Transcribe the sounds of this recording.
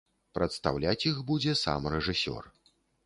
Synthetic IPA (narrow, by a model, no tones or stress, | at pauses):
pɾɐt̪st̪awlʲat͡sʲjixbud͡zʲɛsa̰mrɛʐɨsʲɔ̰r